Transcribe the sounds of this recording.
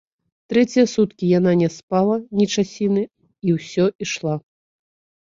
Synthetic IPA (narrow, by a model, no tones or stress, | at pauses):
t̪ɾɛt͡sʲijɐsut̪kʲijananʲɛspalˠɐnʲit͡ʂasʲinɨ | iwsʲɔiʂlˠa